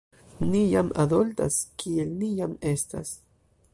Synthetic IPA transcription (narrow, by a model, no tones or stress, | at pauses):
nijamʔad̪olt̪a̰skʰielnijamest̪a̰s